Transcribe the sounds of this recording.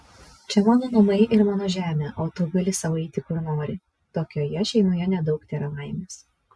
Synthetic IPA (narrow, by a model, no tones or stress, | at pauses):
t͡ʃʲɛmɑːnoːnɐmɐɪʔɪɾmɑːnoːʒʲæːmʲeːʔoːt̪uːɡɐlʲɪsɐʋɐɪt̪ʲɪkʊɾnoːɾʲɪ | t̪oːkʲoːjɛʃʲɛɪnoːjɛnʲɛd̪ɒʊkt̪ʲeːɾɐʋɑˑɪmʲeːs